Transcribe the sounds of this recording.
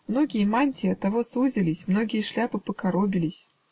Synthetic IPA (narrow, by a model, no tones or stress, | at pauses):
mno̞ɡʲɪjəmanʲtʲɪɐt̪ːɐvosuzʲɪlʲɪsʲmno̞ɡʲɪjəʂlʲapɨpəkɐɾobʲɪlʲɪsʲ